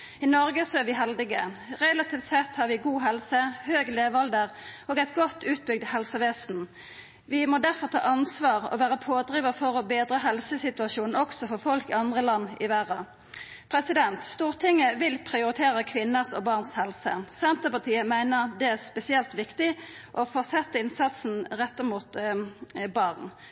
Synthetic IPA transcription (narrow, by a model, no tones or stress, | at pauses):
ɪnɔʁɡəsɔæʁʋɪɦɛld̪ɪɡə̰ʁɛlɑt̪iːft̪sɛt̪ːhɑːʁɾʋɪɡuːɦɛlsəhøːɡleːʋɑld̪əʁoːɡæɪt̪ɡɔt̪ːʉːt̪̚bʏɡ̚d̪hɛlsəʋeːsn̩ | ʋɪmɔd̪æʁfɔʁt̪ʰɑ̰ːʔɑnsʋɑːʁɔ̰ʋæːʁəpʰoːd̪ʁiːʋɑfɔʁɔbeːd̪ʁəɦɛlsəsɪt̪ʉɑʃuːnn̩ɔksɔfɔʁfɔlkɪɑnd̪ʁəlɑnːɪʋæːʁɑ | pʰʁɛsɪd̪ɛnt̪st̪uːʁt̪ʰɪŋːəʋɪlpʰʁɪʊʁɪt̪ʰeːʁəkʰʋɪnːəsɔ̰bɑːʁnshɛlsə̰sɛnt̪əpɑʁt̪ʰiːəmæɪnəʁd̪ɛæʁspɛsɪɛlt̪ʋɪkt̪ɪ | ʔɔfɔʁsɛt̪ːəɪnsɑt̪sn̩ʁɛt̪ːəmuːt̪ | bɑʁn